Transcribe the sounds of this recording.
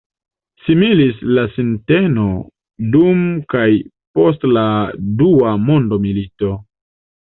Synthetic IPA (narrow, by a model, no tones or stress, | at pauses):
similislasinteno̞ | dumkaj | po̞s̬tladuamo̞ndo̞milito̞